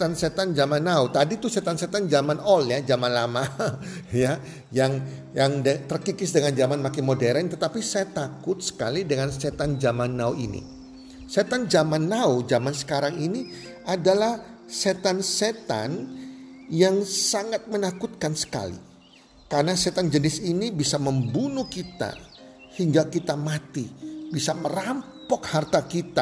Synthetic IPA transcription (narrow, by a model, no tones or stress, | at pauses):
t̪anset̪and͡ʒamanːaut̪adit̪uset̪anset̪and͡ʒamanɔljad͡ʒamanlama | ja | jaŋjaŋdət̪ərkikɪsdəŋand͡ʒamanmakɪnmodɛɾənt̪ət̪apisajat̪akʊt̪̚sə̥ka̰lidəŋanset̪and͡ʒamanːauḭnḭ | set̪and͡ʒamanːaud͡ʒamansə̥kaɾaŋini | ʔadalahset̪anset̪a̰n | jaŋsaŋat̪̚mənakut̪̚kansə̥ka̰lḭ | kaɾənaset̪and͡ʒənɪsinibisaməmbunukit̪a̰ | hiŋɡakit̪amat̪ibisaməɾampɔk̚hart̪akit̪a